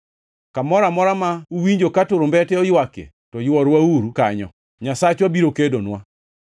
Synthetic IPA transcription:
kamɔɾamɔɾamauwiɲd͡ʒokatʊɾombɛtɛɔjwakḛ | tɔjwɔɾwauɾukaɲɔ̰ | ɲasat͡ʃwabiɾokedonwa

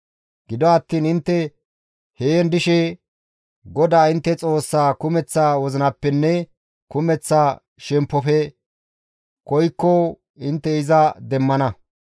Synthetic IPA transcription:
ɡ̥ɪd̪ɔɐt̪ːiːnɪnt̪ːɛ | hejɛnd̪ɪʃɛ | ɡɔd̪aːɪnt̪ːɛt͡sʼo̞ːsːaːkʊmɛt͡sːaːwɔzɪnɐpːɛnːɛ | kʊmɛt͡sːaː | ʃɛmpːɔfɛ | kɔjkːɔ | ɪnt̪ːɛɪzɐd̪ɛmːɐnɐ

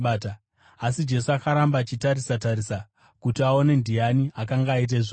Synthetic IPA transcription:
ta | asid͡ʒe̞suakaɾambaːt͡ʃitaɾisataɾisa | kutiao̞ne̞ndijaniakaŋɡaːit̬eʐo

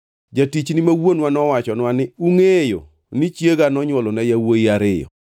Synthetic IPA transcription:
d͡ʒatit͡ʃnimawonwanɔwat͡ʃɔnwanɪuŋejo̰ | nit͡ʃjeɡanɔɲwɔlɔnɛjawoiaɾɪjɔ̰

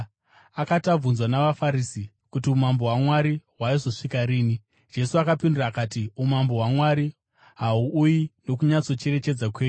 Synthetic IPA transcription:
akatab͡vunzwanaʋafaɾisi | kutiumambo̞ɦwamwaɾiɦwaizo̞ʂikaɾiːni | d͡ʒe̞suakapinduraːkatiumambo̞ɦwamwaɾi | ɦauujino̞kuɲat͡so̞t͡ʃe̞ɾe̞t͡ʃe̞d͡zakwe̞ːɲu

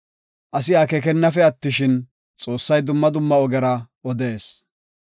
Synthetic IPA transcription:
ʔɐsɪjaːkɛkɛnːɐfɛɐt̪ːɪʃɪn | t͡sʼo̞ːsːɐjd̪ʊmːɐd̪ʊmːɐɔɡɛɾɐ | ɔd̪e̞ːs

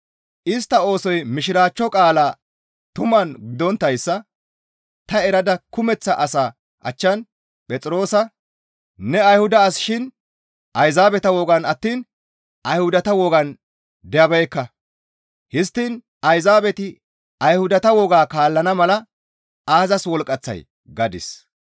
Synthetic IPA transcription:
ʔɪst̪ːɐo̞ːsɔjmɪʃɪɾaːt͡ʃːɔkʼaːlaː | t̪ʊmɐnɡɪd̪ɔnt̪ːɐjsːɐ | t̪ɐɛɾɐd̪ɐkʊmɛt͡sːɐʔɐsaː | ʔɐ̰t͡ʃːɐn | pʼɛt͡sʼɪɾo̞ːsɐ | nɛɐjhʊd̪ɐːsʃɪn | ʔɐjzaːbɛt̪ɐwɔɡɐnɐt̪ːiːn | ʔɐjhʊd̪ɐt̪ɐwɔɡɐn | d̪ɛjɐbɛjkːɐ | hɪs̬t̪ːiːn | ɐjzaːbɛt̪ɪ | ɐjhʊd̪ɐt̪ɐwɔɡaːkaːlːɐnɐmɐlɐ | aːzɐswɔlkʼɐt͡sːɐ̰j | ɡɐd̪ɪ̰s

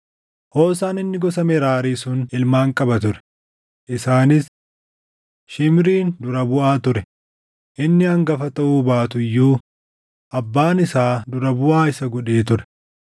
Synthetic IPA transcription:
hoːsaːnɪnːɪɡɔsɐmɛɾaːɾiːsʊnɪlmaːŋkʼɐbɐt̪ʊɾɛ̥ | ʔɪsaːnɪs | ʃɪmɾiːnd̪ʊɾɐbʊʔaːt̪ʊɾɛ | ʔɪnːɪhɐŋɡɐfɐt̪ɐʔuːbaːt̪ʊjːuː | ʔɐbːaːnɪsaːd̪ʊɾɐbʊʔaːɪsɐɡɔᶑeːt̪̬ʊɾɛ̥

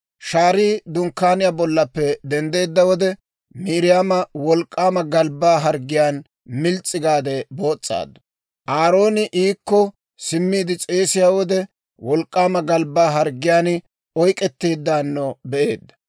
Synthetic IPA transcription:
ʃaːɾiːd̪ʊŋkːaːnɪjabɔlːɐpːɛd̪ɛnd̪e̞ːd̪ːɐwɔd̪ɛ | miːɾɪjaːmɐwɔlkʼːaːmɐɡɐlbaːɦɐɾɡːɪjaːn | mɪlt͡sʼːɪɡaːd̪ɛbo̞ːt͡sʼːa̰ːd̪ːɐ̥ | ʔaːɾo̞ːnɪʔiːkːɔ | sɪmːiːd̪ɪt͡sʼe̞ːsɪjaːwɔd̪ɛ | wɔlkʼːaːmɐɡɐlbaːɦɐɾɡɪjaːn | ɔjkʼːɛt̪ːeːd̪ːaːnːɔbɛʔe̞ːd̪ːɐ̥

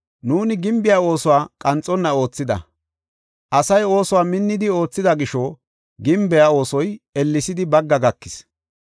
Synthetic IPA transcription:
nuːnɪɡɪmbɪjao̞ːsɔwaːkʼɐnt͡sʼːɔnːɐo̞ːt͡sːɪd̪ɐ̰ | ʔɐsɐjo̞ːsɔwaːmɪnːɪd̪ɪo̞ːt͡sːɪd̪ɐɡɪʃɔ | ɡɪmbɛjao̞ːsɔjɛlːɪsɪd̪ɪbɐɡːɐɡɐkːɪ̥s

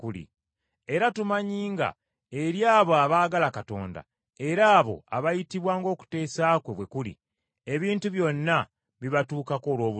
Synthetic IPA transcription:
kulḭ | e̞ɾatumaɲiːŋɡa̰ | e̞ɾjaːβo̞aβaːɡalakato̞̰ːnda̰ | e̞ɾaːβo̞̰a̰βajitiβwaːŋɡo̞ːku̥te̞ːsaːkweβwe̞kulḭ | e̞βiːntuβjo̞nːa | βiβatuːkako̞ːlwoːβu

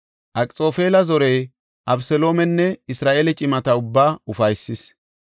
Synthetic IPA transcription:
ʔɐkʼt͡sʼo̞ːfeːlɐzɔɾɛj | ʔɐbsɛlo̞ːmɛnːɛɪsɾaːʔeːlɛt͡ʃʼɪmɐt̪ɐʊbːaːʊfɐjsːɪs

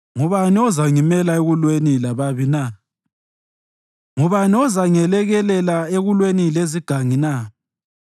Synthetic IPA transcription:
ŋuβaniɔzaŋimɛlaeɣulwenilaβaβina | ŋuβaniɔzaŋɛlɛɣɛlɛlaeɣulwenileziɡ̥ʱaŋina

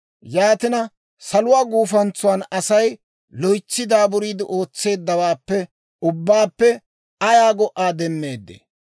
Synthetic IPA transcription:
jaːt̪ɪnɐ | sɐlʊwaːɡuːfɐnt͡sʊwaːnɐsɐj | lɔjt͡sːɪd̪aːbʊɾiːd̪ɪʔo̞ːt͡sːe̞ːd̪ːɐwaːpːɛ | ʊbːaːpːɛ | ɐjaːɡɔʔːaːd̪ɛmːe̞ːd̪ːḛ

